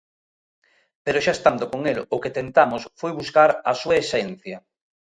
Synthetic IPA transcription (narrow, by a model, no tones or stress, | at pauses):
peɾoʃaest̪and̪okoŋelʊket̪ent̪amosfojβuskaɾɐsuaesɛn̟θjɐ